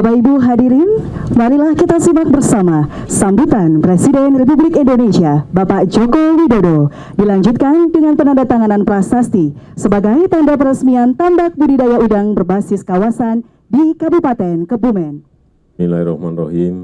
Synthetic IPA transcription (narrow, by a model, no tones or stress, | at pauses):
apaibuɦadiɾɪn | maɾilahkit̪asimak̚bərsamasambut̪anpɾesidɛnrep̬ublikindonesiabapaʔd͡ʒokowidodo | dilaɲd͡ʒut̪̚kandəŋanpənandat̪aŋananpɾasast̪isəbaɡajt̪andap̬əɾəsmiant̪ambak̚budidajaudaŋbərbasɪskawasan | dikabupat̪ɛnkəbumɛn | milaiɾɔhmanrɔɦin